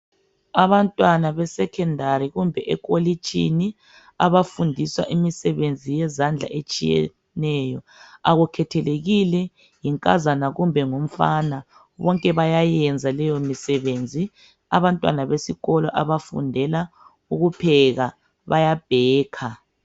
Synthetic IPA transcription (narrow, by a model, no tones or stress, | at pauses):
aβantʼwanaβɛsɛkʰɛndʱaɾiɣumbʱɛʔɛkʼolit͡ʃʼḭni | a̰βafundʱiswa̰ʔimisɛβend͡zʱijɛzand͡ɮʱa̰ʔet͡ʃʼḭjɛ̰ | nɛjɔ | aɣukʰɛtʰɛleɣilɛ | jiŋkʼazanaɣumbʱɛŋom̩fana | βɔŋkʼɛβajajɛnd͡zʱalɛjomisɛβend͡zʱi | a̰βantʼwa̰naβesiɣɔlɔʔaβafṵndʱɛla | uɣupʰɛɣa | βajab̥ʱɛːkʰa